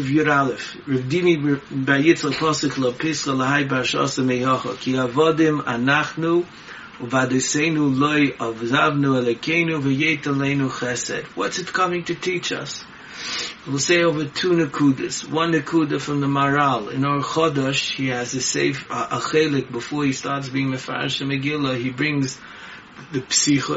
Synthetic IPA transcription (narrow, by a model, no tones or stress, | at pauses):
vjuɾalˠəf | ɹɛbdinibaɪjɪsəpʰɔsʊklˠɔpʰɪsχəlˠəhaɪp̬aɹʃɔ̰səmɛɪhɔχə̰kʰɪavɔdɪma̰naχnu | vadɔɪseɪnulˠoɪavzavnuɛlˠɔɪkʰeɪnuvɪjeɪtɛlˠeɪnuχɛsɛ̰dwɔ̰tsɪtkʰʌmɪ̃ŋtʰɨtʰiːt͡ʃʌ̰s | wɪlˠseɪoʊvətʰuːnɪkʰudə̰swʌ̃nːɪkʰudəfɪnðəmaɹalˠɪ̰̃nɔɹχɔdɔʃhiazəsḛɪfʔəχeɪlˠɪk̚bəfoːɹhistɑɹtsbiːɪ̃ŋməfa̰ɹɪ̰ʃəmɪɡɪlˠəhibɹɪ̃ŋz | ðɪpsiχə